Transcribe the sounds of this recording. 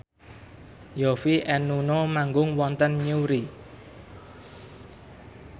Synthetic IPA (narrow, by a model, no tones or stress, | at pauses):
jofiʔɛnunomaŋɡʊŋwɔnt̪ənɲuɾi